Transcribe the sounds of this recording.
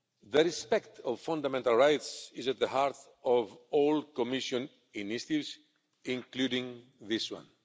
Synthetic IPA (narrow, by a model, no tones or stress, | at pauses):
ðəɾispɛkt̪ɔvfãnd̪amɛ̃ntalˠɹajtsizæt̪̚ðəhaɾθ | ɔvɔlkɔmiʃɔ̃n | ĩniʃtivz | ĩŋkludĩŋðiswã̰n